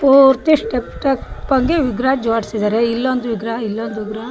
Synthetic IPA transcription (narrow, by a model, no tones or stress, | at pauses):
puɾt̪iʂʈepʈɐkpɐŋɡeʋiɡɾaːd͡ʒoʈsid̪aːɾeilːond̪uʋiɡɾɐilːond̪uʋiɡɾa